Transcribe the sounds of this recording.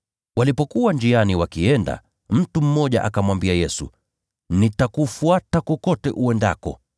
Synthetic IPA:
walipɔkuwand͡ʒianiwakiɛnda̰ | m̩tum̩mːɔʄa̰ʔakamwambiajɛsṵ | nitakufuatakɔkɔtɛʔuɛnda̰kɔ̰

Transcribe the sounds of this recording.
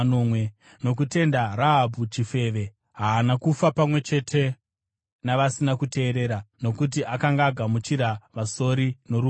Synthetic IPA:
nomwe | no̞k̬ute̞ndaraɦabʱut͡ʃife̞ʋe̞ | ɦaːnakufapamwe̞t͡ʃe̞tʰe̞ | naʋasinakute̞ːɾe̞ːɾano̞kut̬iʔakaŋɡaːɡʱamut͡ʃiɾaʋaso̞ɾino̞ɾu

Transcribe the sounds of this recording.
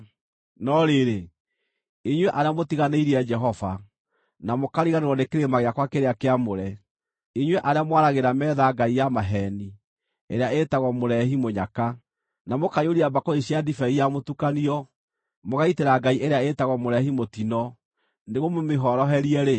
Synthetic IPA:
nɔɾeɾe | iɲwɛʔaɾeamotiɣaneiɾiɛd͡ʒɛɦɔva | namokaɾiɣaneɾwɔnekeɾemaɣeakwakeɾeakeamoɾɛ | iɲweʔaɾeamwaɾaɣeɾamɛːðaɡaijamaɦɛni | eɾeaetaɣɔmoɾɛɦimoɲaka | namokajoɾiabakoeɕjadifɛijamotukaniɔ | moɣaiteɾaɡaiʔeɾeaetaɣɔmoɾɛhimotinɔ | neɣomomeɦɔɾɔɦɛɾiɛɾe

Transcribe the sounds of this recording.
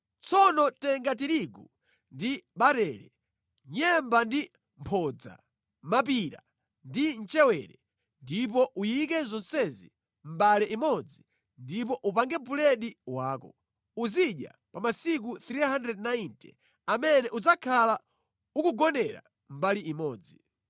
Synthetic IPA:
t͡sʰɔnɔtɛŋɡat̬iɾiɡu | ndiɓaɾɛɾɛ | ɲɛmbandi | mpʰɔd͡za̰ | map̬iɾa̰ | ndin̩t͡ʃɛwɛɾɛ | ndipɔʔujikɛzɔnsɛzḭ | m̩balɛʔimɔd͡zi | ndip̬ɔʔupaŋɡɛpulɛɗiwaːkɔ | uziɗja̰ | pamasik̬uθɾiɦandɾɛdnaintɛ̰ | amɛnɛʔud͡zakʰala | ukuɡɔnɛɾa̰ | m̩baliimɔːd͡zi

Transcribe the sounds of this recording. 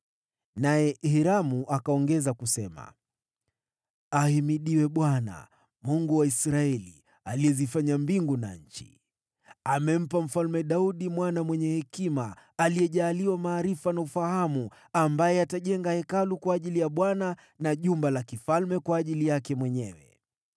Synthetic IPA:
najɛhiɾamuʔakaɔŋɡɛzakusɛma̰ | ahimiɗiwɛɓwana̰ | muŋɡuwaisɾaɛlḭ | alijɛzifaɲambiŋɡuna̰ɲ̩t͡ʃi̥̰ | amɛm̩pam̩falmɛɗauɗimwanamwɛɲɛhɛkimaːlijɛʄaːliwamaːɾifanaufahamu | ambajɛataʄɛŋɡahɛkalukwaːʄilijaɓwana | naʄumbalakifalmɛkwaːʄilijakɛmwɛɲɛwɛ̰

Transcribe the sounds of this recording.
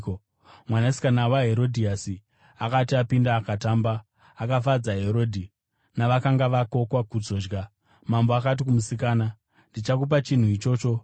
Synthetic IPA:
mwanasi̥kanawaɦe̞ɾo̞dʱiasi | akatiapindaːkataːmbaː | kafad͡zaɦe̞ɾo̞ːdʱi | naʋakaŋɡaʋako̞kwakud͡zo̞ːd͡ʒɡa | mamboakat̬ikumusikaːna | ndit͡ʃakup̬at͡ʃin̤uit͡ʃo̞ːt͡ʃo̞

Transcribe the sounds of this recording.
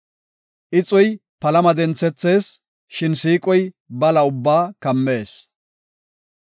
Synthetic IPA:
ʔɪt͡sʼɔjpɐlɐmɐd̪ɛnt͡sːɛt͡sːe̞ːs | ʃɪnsiːkʼɔj | bɐlɐʊbːaːkɐmːe̞ːs

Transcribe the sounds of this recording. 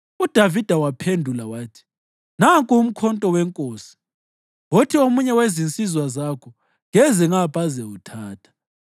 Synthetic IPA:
ud̥ʱavid̥ʱawapʰendʱulawaːtʰi̥ | naŋkʼuum̩kʰɔntʼɔwɛŋkʼoːsi̥ | wotʰiomuɲɛwezint͡sʼizwazakʰɔ | ŋɛzɛŋapʼazɛutʰaːtʰḁ

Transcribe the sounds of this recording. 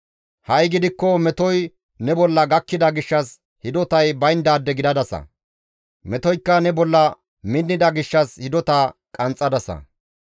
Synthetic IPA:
hɐjɡɪd̪ɪkːɔmɛt̪ɔj | nɛbɔlːɐɡɐkːɪd̪ɐɡɪʃːɐs | hɪd̪ɔt̪ɐjbɐjnd̪aːd̪ːɛɡɪd̪ɐd̪ɐsɐ̰ | mɛt̪ɔjkːɐnɛbɔlːɐ | mɪnːɪd̪ɐɡɪʃːɐshɪd̪ɔt̪aːkʼɐnt͡sʼːɐd̪ɐsɐ̰

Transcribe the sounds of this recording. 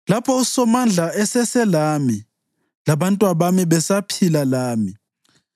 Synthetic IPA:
lapʰɔusɔmand͡ɮʱaɛsɛsɛlami | laβantʼwaβamiβɛsapʰilalaːmi

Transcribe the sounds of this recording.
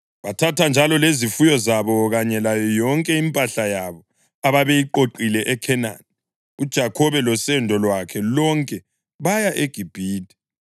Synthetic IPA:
βatʰatʰand͡ʒʱalɔlezifujɔzaβɔɣaɲɛlajɔjɔŋkʼɛimpʼaɬajaβɔ | aβaβejiǃoǃilɛʔɛkʰɛna̰ni | ud̥ʒ̥ʱakʰɔβɛlɔsɛndʱɔlwakʰɛlɔŋkʼɛ | βajaʔeɡ̥ʱib̥ʱiːtʼi̥

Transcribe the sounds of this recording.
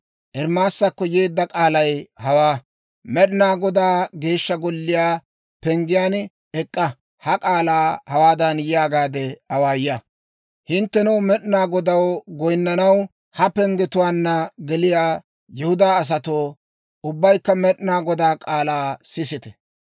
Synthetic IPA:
ʔɛɾmaːsːɐkːɔje̞ːd̪ːɐkʼaːlɐjhɐwaː | mɛɗɪnaːɡɔd̪aːɡe̞ːʃːɐɡɔlːɪjaː | pɛŋɡɪjaːn | ɛkʼːɐ | hɐkʼaːlaːhɐwaːd̪ɐnjɪjaːɡaːd̪ɛhɐwaːja | hɪnt̪ːɛnɛwmɛɗɪnaːɡɔd̪ɐwɡɔjnːɐnɐw | hɐpɛŋɡɛt̪ʊwaːnːɐɡɛlɪjaː | jɛhʊd̪aːs̬ɐt̪oː | ʊbːɐjkːɐmɛɗɪnaːɡɔd̪aːkʼaːlaːsɪsɪt̪ɛ̥

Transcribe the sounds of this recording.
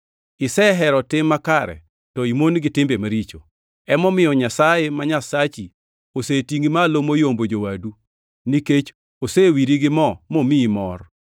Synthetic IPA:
ɪsɛɦɛɾɔtɪmːakaɾɛ̰ | tɔimonɡɪtɪmbemaɾit͡ʃo | ɛmɔmɪjɔɲasajemaɲasat͡ʃi | osetiŋɡimalomojombod͡ʒowadu | niket͡ʃ | osewiɾiɡɪmɔmomimɔr

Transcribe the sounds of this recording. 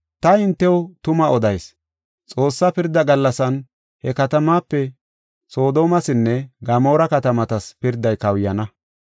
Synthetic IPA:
t̪ɐɪnt̪ːɛwt̪ʊmɐɔd̪ɐjs | t͡sʼo̞ːsːɐpɪɾd̪ɐɡɐlːɐsɐn | hɛkɐt̪ɐmaːpːɛ | so̞ːd̪o̞ːmɐsɪnːɛɡɐmo̞ːɾɐkɐt̪ɐmɐt̪ɐspɪɾd̪ːɐjkɐwjɐnɐ

